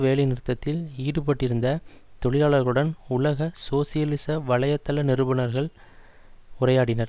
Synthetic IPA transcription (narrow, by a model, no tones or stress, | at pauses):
ʋeːlɪnɪɾɯt̪ːɐt̪ːɪliːɽɯpɐʈːɪɾɯnd̪ɐ | t̪ɔɭɪlaːɭɐɾɣɐɭɯɽɐnʊlɐɣɐsoːsɪjɐlɪsɐʋɐɭɐjɐt̪ːɐlɐnɪɾɯbɐnɐɾɣɐɭ | ʊrɐjaːɽɪnɐɾ